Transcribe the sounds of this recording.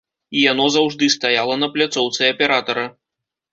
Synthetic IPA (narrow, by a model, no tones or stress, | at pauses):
ijan̪ɔzawʐd̪ɨst̪ajalˠɐnɐplʲat̪sɔwt̪sɨɐpʲɛɾat̪ɐɾɐ